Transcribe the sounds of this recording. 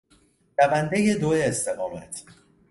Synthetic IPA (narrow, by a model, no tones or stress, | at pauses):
ɾævænd̪ejed̪oeːst̪ʰe̞ɣɒːmæ̰t̪ʰ